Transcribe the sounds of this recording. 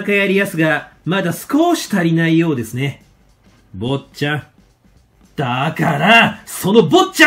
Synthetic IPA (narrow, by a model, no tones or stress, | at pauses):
kajaɾʲijasɨɡamad̪asɨ̥ko̞ːɕi̥t̪aɾʲinaijo̞ːd̪e̞sɨne̞ | bo̞t͡ɕã | d̪̥akaɾaso̞no̞bo̞t͡ɕa